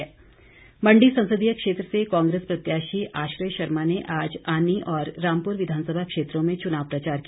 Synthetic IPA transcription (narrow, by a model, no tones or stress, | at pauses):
mɐ̃ɳɖisɐ̃nsəd̪ijəkʃeːt̪ɾəsekɔ̃ːŋɡɾeːspɾɐt̪jaːʃiʔaːʃɾəjʃɐɾmaneʔaːd͡ʒaːniʔɔːɾːãːmpuɾʋɪd̪ʱaːnsəbʱakʃeːt̪ɾõmẽt͡ʃʊnaːʋpɾɐt͡ʃaːɾk